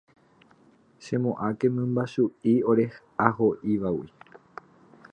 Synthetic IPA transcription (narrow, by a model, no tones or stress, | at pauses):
ʃẽ̞mõʔãke̞mɨ̃mbaʃuio̞ɾe̞hʔaɦoʔiʋawi